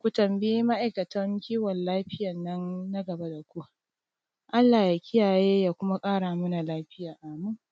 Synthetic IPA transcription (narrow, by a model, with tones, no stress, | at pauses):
kʷu˨tɐ˨mbi˦ma˦ʔa˨jkɐ˨tɐ˦ŋkʲiː˦wɔ˨nlaː˦ɸɪ˦jɐ˨nːɐ˦nːa˦ɡɐ˨ba˦da˨kʷu˦ | ʔa˦lːaː˨ja˨kʲɪ˦jaː˨jeː˦jaː˦˨kʷʊ˦ma˦kʼaː˦ɽa˨mʊ˦na˨laː˦ɸɪ˦jaː˨ʔa˨mu˦ŋ